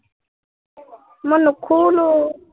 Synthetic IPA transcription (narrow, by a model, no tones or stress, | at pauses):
mʊnukʰuːlu